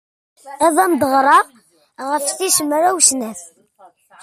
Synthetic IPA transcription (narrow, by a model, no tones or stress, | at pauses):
æðˤæmd̪əʁɾˤɑʁ | ʁəfθiʃəmɾæwʃnæθ